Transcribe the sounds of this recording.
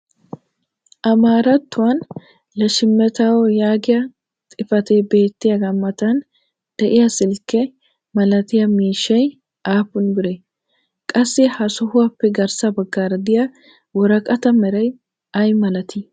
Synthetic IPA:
ʔɐmaːɾɐt̪ːʊwɐn | lɐʃɪmːɛt̪awɔjaːɡɪjɐ | t̪ʼɪfɐt̪eːbe̞ːt̪ːɪjɐɡɐmːɐt̪ɐn | d̪̥ɛʔɪjɐsɪlkːɛ | mɐlɐt̪ɪjɐmiːʃːɐj | ʔaːpːʊnbɪɾe | kʼɐsːɪhɐsɔhʊwɐpːɛɡɐɾsɐbɐɡːaːɾɐd̪ɪja | wɔɾɐkʼɐt̪ɐmɛɾɐj | ɐjmɐlɐt̪ʰi

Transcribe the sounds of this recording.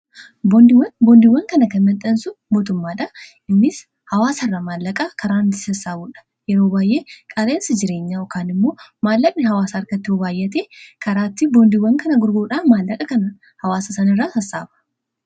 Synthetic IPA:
bɔnd̪ɪwbɔnd̪ɪwːɐŋkɐnɐkɐnmɐnt̪ʼɐnsʊmoːt̪ʊmːaːᶑɐʔɪnːɪs | hɐwaːsɐrːɐmaːlːɐkʼɐkʰɐɾaːnt̪ɪ̥sɐsːaːbuːᶑɐ̥ | jɛɾo̞ːbaːjʔe̞ːkʼɐleːnsɐd͡ʒɪɾe̞ːɲːaːɔkaːnɪmːo̞ːmaːlːɐk̚ʼnɪɦɐwaːsɐːɾkɐt̪ːɪɔbaːjːɐt̪eːkɐɾaːt̪ːɪbɔnd̪ɪwːɐŋkɐnɐɡʊɾɡuːᶑaːmaːlːɐkʼɐkɐnɐ | hɐwaːsɐsɐnɪrːaːtɐsːa̰ːbɐ̥

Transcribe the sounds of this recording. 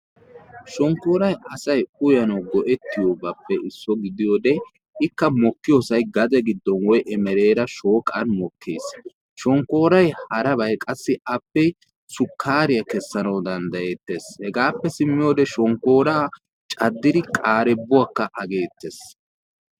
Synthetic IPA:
ʃɔŋkːoːɾɐjɐsɐjʊjɐnɐwɡɔʔɛt̪ːɪjobɐpːɛʔɪsːɔɡɪd̪ɪjoːd̪ɛ | ɪkːɐmɔkːɪjosɐjɡɐd̪ɛɡɪd̪ːɔnwɔjʔɛmɛɾe̞ːɾɐʃo̞ːkʼɐnmɔkʰːḛːs | ʃɔŋkːo̞ːɾɐjhɐɾɐbɐjkʼɐsːɪɐpːɛ | sʊkʰːaːɾɪjɐkɛsːɐnɐwd̪ɐnd̪ɐe̞ːt̪ːeːshɛɡaːpːɛsɪmːɪjoːd̪ɛʃɔŋkːo̞ːɾaː | t͡ʃʼɐd̪ːɪd̪ɪkʼaːɾɛbːʊwakːɐʔɐɡe̞ːt̪ːeːs

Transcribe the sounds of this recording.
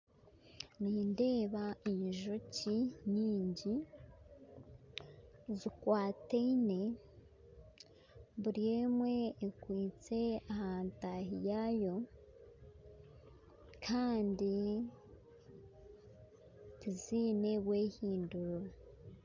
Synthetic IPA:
niːnde̞ːβaiɲʒociɲiːɲɟi | zikwaːteine̞ | βuɾijeːmwe̞ːkwiːt͡se̞ahaːntaɦijajo̞ | kʰaːndi | tiziːne̞βwe̞ːhiːnduɾo

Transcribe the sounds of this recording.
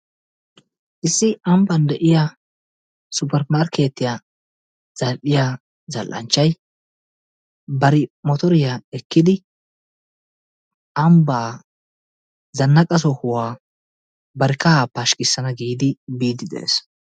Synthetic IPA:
ʔɪsːɪʔɐmbɐnd̪ɛʔɪja | sʊpɛɾmaːɾke̞ːt̪ːɪja | z̥ɐlᶑɪja | zɐlʔɐ̰nt͡ʃːɐj | bɐɾɪmɔt̪ɔɾɪjaɛkːɪd̪ɪ | ʔɐmbaː | zɐnːɐkʼɐs̬ɔhʊwaː | bɐɾɪkɐhaːpaːʃkʼɪsːɐnɐɡiːd̪ɪbiːd̪ɪd̪ɛ̰ḛːs

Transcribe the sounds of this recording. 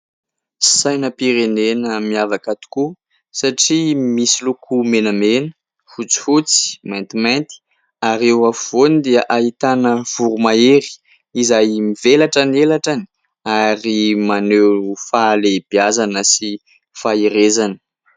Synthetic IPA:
sajnəpiɾenenəmiavakat̪u̥ku | saʈ͡ʂimisilukʰumenəmenə̥ | fut͡si̥fut͡si̥majnt̪imant̪i̥ | aɾewafv̥onid̪eəʔaɦit̪anəv̥uɾumaeɾi̥ | izajmivelaʈ͡ʂanelaʈ͡ʂani̥ | aɾimanewfaleb̥iazanəsi | faiɾezanə̥

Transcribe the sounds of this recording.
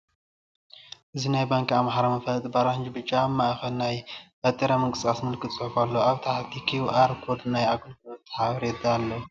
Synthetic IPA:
ʔɨzinajbaŋkamħaɾamɐfɐlt̪ʼbaɾahɨnd͡ʒibɨt͡ʃʼːamːaʔxɐlnajbɐt̪ʼiɾamɨŋɡʼɨst̪asmɨlkʰɨt̪ʼt͡sʼɨħufalːoaβt̪ʰaħt̪ʰikʰiuʔaɾkʰoɾd̪najaɡɨlflot̪ʰːɐ̥ħaβɾed̪alːɐ

